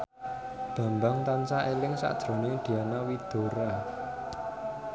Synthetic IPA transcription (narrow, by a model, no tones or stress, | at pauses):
d̪̥a̤mbaŋt̪ant͡ʃaʔelɪŋsa̰ʔd̥ʒ̥ɾo̤ned̪̥i̤anawid̪̥o̤ɾa